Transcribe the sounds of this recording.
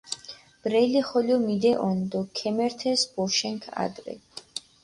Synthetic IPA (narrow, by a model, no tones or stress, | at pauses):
b̥ɾɛjliχɔljɔmid̪ɛʔɔnd̪ɔkʰɛmɛɾt̪ʰɛsbɔʃɛŋkʰa̰d̪ɾɛ̰